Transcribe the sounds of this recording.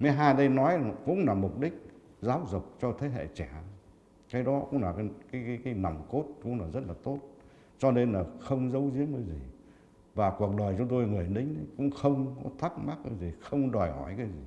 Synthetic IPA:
mi˨˦ɦaː˧jɗə˧jnɔ˨˦jkʊ̰˧˥ŋ͡mlaː˨˩mʊ˨˩k͡p̚ɗï˦˥k̚ | zaː˨˦wzʊ˨˩k͡p̚t͡ɕɔ˧t̪ʰe˨˦ɦḛ˧˨t͡ɕɛ˧˩˨ | kaː˨˦jɗɔ˨˦kʊ̰˧˥ŋ͡mlaː˨˩˨kaː˨˦jːkaː˨˦jna˨˩wŋ͡mko˦˥t̚kʊ̰˧˥ŋ͡mlaː˨˩zə˦˥t̚laː˨˩t̪o˦˥t̚ | t͡ɕɔ˧ne˧nlaː˨˩xə˧wŋ͡mzə˨˦wzi˨˦əŋəː˨˦jzi˨˩ | vaː˨˩ku˨˩ək̚ɗə˨˩jt͡ɕɔ˨˧ŋ͡mt̪o˧jŋɨ˨˩əjɗï˨˦ŋ̟ə˨˦jkʊ̰˧˥ŋ͡mxə˧wŋ͡mkɔ˨˦t̪ʰa˦˥k̚ma˦˥k̚ʔəː˨˧˦jzi˨˩xə˧wŋ͡mɗɔ˨˩jhɔ̰˧˩jkaː˨˦jzi˨˩

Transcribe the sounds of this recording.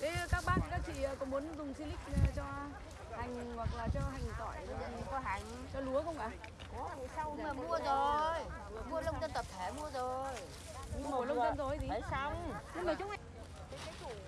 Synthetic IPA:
t̪ʰe˨˦˧kaː˦˥k̚ɓa̰ː˧˨n˨kaː˦˥k̚t͡ɕḭ˧˨˩kʊ̰˧˥ŋ͡mmu˨˦ənzʊ˨˩ŋ͡msi˧lï˦˥k̚ːt͡ɕɔ˧ | ha˨˩jŋ̟hwa˨˩k̚laː˨˩t͡ɕɔ˧ɦa˨˩jŋ̟zɔ˧˩˨jɔ˧ɦa˨˩jŋ̟ | t͡ɕɔ˧lu˨˦əkʊ˧wŋ͡mʔaː˨˧˩ | a˧wːmu˧əzo˨˩j | mu˧ə˧lə˧wŋ͡mzə˧nt̪ə˨˩p̚t̪ʰe˧˩mu˧əzo˨˩j | ŋmo˧˩lə˦˥zə˧nzo˨˩jzi˨˦sa˧wɲɨ˧ŋməː˨˩t͡ɕʊ˨˦˥ŋ͡m̚ʔa˧˦˨

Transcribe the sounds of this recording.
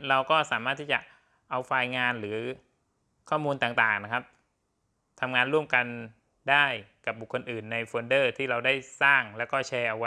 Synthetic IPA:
ɾa˧wkɔː˥˩saː˩˦maː˥˩t̪ʰːiː˥˩t͡ɕa˨˩ʔ | ʔa˧wfaː˧jŋaː˧nɾɯː˩˦ | kʰɔː˥˩muː˧nt̪aː˨˩ŋt̪aː˨˩ŋna˦˥kʰa˦˥p̚ | t̪ʰa˧mŋaː˧nɾu˥˩əmka˧n | daː˥˩jka˨˩p̚bu˨˩kʰːo˧nʔɯː˨˩nːa˧jfoː˧ndɤː˥˩t̪ʰiː˥˩ɾa˧wda˥˩jsaː˥˩ŋlɛː˦˥wkɔː˥˩t͡ɕʰɛː˧ʔa˧wa˦˥

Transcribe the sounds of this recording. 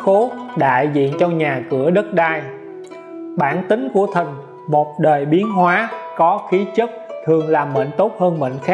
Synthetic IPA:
xo˨˦ɗa̰ː˧˨jzḭ˧˨ənt͡ɕɔ˧ɲaː˨˩kɨ˧˩əɗə˦˥t̚ɗaː˧j | ɓaː˧˩nt̪ï˨˦ŋ̟ku˧˩ət̪ʰi˨˩ŋ̟ | mo˨˩t̚ɗəː˨˩jɓi˨˦ənɦwaː˨˦kɔ˨˦xi˨˦t͡ɕə˦˥t̚t̪ʰɨ˨˩əŋlaː˨˩mːə̰ː˧˨nt̪o˦˥t̚həː˧nɓə̰˧˨ŋ̟xaː˦˥

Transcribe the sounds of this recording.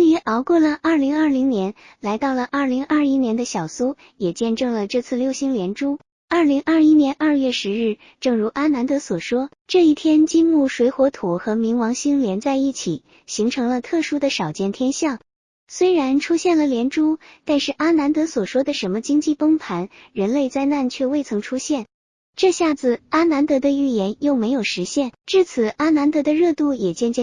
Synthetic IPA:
ŋy˧˥ʔɑ˧˥ʊkwɔ˥˩lə˩ʔɐ˞˥˩li˧˥ŋɐ˥˩li˧˥ŋnjɛ˧˥nla˧˥ɪt̪ɑ˥˩ʊlə˩ʔɐ˥˩li˧˥ŋʔɐ˞˥˩i˥njɛ˧˥nd̪ə˧ɕjɑ˨˩ʊsu˥ | jɛ˨˩t͡ɕjɛ˥˧nʈ͡ʂɤ˥˩ŋlə˩ʈ͡ʂɤ˥˧t͡sʰɹ̩˥˧ljʊɕi˥ŋljɛ˧˥nʈ͡ʂu˥ | ɐ˞˥˩li˧˥ŋʔa˥˩i˥njɛ˧˥nʔɐ˥˧jɥɛ˥˩ʂɻ̩˧˥ɻɻ̩˥˩ | ʈ͡ʂɤ˥˩ŋɻu˧˥ʔa˥na˧˥nt̪ɤ˧˥swɔ˨˩ʂwɔ˥ | ʈ͡ʂɤ˥˧i˥˩t̪ʰjɛ˥nt͡ɕi˥nmu˥˩ʂwe˧˥ɪxwɔ˧˥t̪ʰu˨˩xɤ˧˥mi˧˥ŋwɑ˧˥ŋɕi˥ŋljɛ˧˥nt͡sa˥˧ɪi˥˩t͡ɕʰi˨˩˦ | ɕi˧˥ŋʈ͡ʂʰɤ˧˥ŋlə˧t̪ʰɤ˥˩ʂu˥d̪ə˨ʂɑ˨˩ʊt͡ɕjɛ˥˩nt̪ʰjɛ˥nɕjɑ˥˩ŋ | swe˥ɪɻa˧˥nʈ͡ʂʰu˥ɕjɛ˥˩nlə˩ljɛ˧˥nʈ͡ʂu˥t̪a˥˧nʂɻ̩˥˩ʔa˥na˧˥nt̪ɤ˧˥swɔ˨˩ʂwɔ˥d̪ə˨ʂə˧˥nmə˧t͡ɕi˥ŋt͡ɕi˥˩pɤ˥ŋpʰa˧˥nɻə˧˥nle˥˧ɪt͡sa˥˧ɪna˥˩nt͡ɕʰɥɛ˥˧we˥˩ɪt͡sʰɤ˧˥ŋʈ͡ʂʰu˥ɕjɛ˥˩n | ʈ͡ʂɤ˥˧ɕja˥˩d͡zɹ̩˩a˥na˧˥nt̪ɤ˧˥d̪ə˧y˥˩jɛ˧˥njo˥˩ʊme˧˥ɪjo˨˩ʊʂɻ̩˧˥ɕjɛ˥˩nʈ͡ʂɻ̩˥˩t͡sʰɹ̩˨˩a˥na˧˥nt̪ɤ˧˥d̪ə˧ɻɤ˥˧t̪u˥˩jɛ˨˩t͡ɕjɛ˥˧nt͡ɕjɛ˥˧

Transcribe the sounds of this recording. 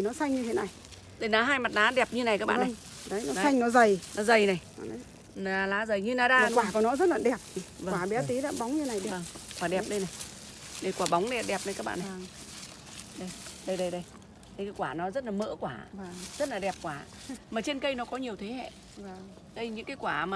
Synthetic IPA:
i˨˩nɔ˨˦sa˧jŋɲɨ˧tʰḛ˨˦na˨˩j | ɗə˨˧˩jna˨˦ɦaː˧jma˨˩t̚laː˨˦ɗɛ˨˩p̚ɲɨ˧na˨˩jkaː˦k̚ɓa̰ː˧˨na˨˩j | ɗə˨˦jnɔ˨˦sa˧jŋnɔ˨˦zə˨˩jnɔ˨˦zə˨˩jna˨˩jə˨˦ | naː˨˩laː˨˦zə˨˩jɲɨ˧naː˨˩zaː˧˨˧kwaː˧˨˩kɔ˨˩˦nɔ˨˦zə˦˥t̚laː˨˩ɗɛ˨˩p̚i˨˩və˧˨aː˨˧˩ɓɛ˨˦t̪i˨˦la̰˧˦ɓa˨˦wŋ͡mɲɨ˧na˨˩jɛ˨və˨˩ŋkwaː˧˩ɗɛ˨˩p̚ɗə˧jna˨˩j | ɗə˧jkwaː˧˩ɓa˨˦wŋ͡mɗə˨˧˩a˨˧˩ɗɛ˨˩p̚ɗə˨˧jkaː˦˥k̚ɓa̰ː˧˨na˨˩ | ɗə˧˩jɗə˧jɗə˧jɗə˧j | ɨ˨˧˦kːa˨˦kwaː˧˩nɔ˨˦zə˦˥t̚laː˨˩mə̰ː˧˥kwaː˧˩˨z̥t̚laː˨˩ɗɛ˨˩p̚kwaː˧˩˨ | maː˨˩t͡ɕe˧nkə˧jnɔ˨˦kɔ˨˦ɲi˨˩əwt̪ʰe˨˦hɛ̰˧˨˧ | ɗə˧jɲɨ̰˧˥ŋkaː˨˦jkwaː˧˩maː˨

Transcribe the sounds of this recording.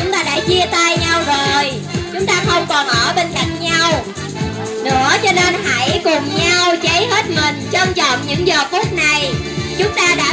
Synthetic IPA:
t͡ɕʊ˨˦ŋ͡mt̪aː˧ɗa̰ː˧˥t͡ɕi˧ət̪aː˧jɲa˧wzo˨˩j | t͡ɕʊ˨˦ŋ͡mt̪aː˧xə˧wŋ͡mkɔ˨˩nʔɔ˧˩ɓe˧nt͡ɕa˧jŋ̟ɲa˧w | nɨ̰˧˥ət͡ɕɔ˧ne˧nha̰˧˥jkʊ˨˩ŋ͡mɲa˧wt͡ɕə˨˦jɦe˦˥t̚mï˨˩ŋ̟t͡ɕɔ˧wŋ͡mt͡ɕɔ̰˧˨nɲɨ̰˧˥ŋzə˨˩k̪ʰu˦˥t̚na˨˩j | t͡ɕʊ˨˦ŋ͡mt̪aː˧ɗa̰ː˧˥

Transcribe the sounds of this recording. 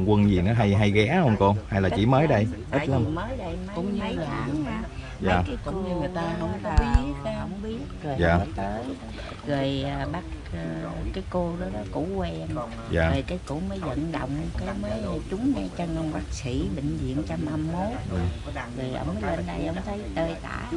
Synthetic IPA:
ŋkwə˧nzi˨˩nɔ˨˦ɦa˧jɦa˧jɣɛ˨˦˥hə˧wŋ͡mko˧ha˧jlaː˨˩t͡ɕḭ˧˥məː˨˦jɗə˧jt̪ʰə˦lə˧mməː˨˦jɗə˧jkʊ̰˧˩ŋ͡mməː˨˦jza̰ː˧˨ | zaː˨˩kaː˨˦kʊ̰˧˥ɲ˧˨˩jt̪aː˧hə˧wŋ͡mt̪ʰa˨˦ə˨˦jhə˧˨wŋ͡mɓi˦˥ət̚jaː˨˩˦t̪əː˨˦j | ɣə˨˩jəː˨˩ɓa˦˥t̚ːkaː˨˦jko˧ɗɔ˨˦ɗɔ˨˦kṵ˧˥kwɛ˧n | jaː˨˩ə˨˩jkaː˨˦jkṵ˧˥məː˨˦jzə̰˧˨nɗə̰˧˨wŋ͡mkaː˨˦jməː˨˦jt͡ɕʊ˨˦ŋ͡mŋɛ˧˩t͡ɕə˧ŋ˧ŋɓaː˦˥k̚si˧˩ɓï˧˨ŋ̟zḭ˧˨ənt͡ɕa˧ma˧mːo˨˦˨ | zə˨˩jʔə̰˧wŋ͡mməː˨˦jlə˧nɗə˧jʔə˧˩wŋ͡mt̪ʰə˨˦jt̪əː˧jt̪a̰ː˧˨j

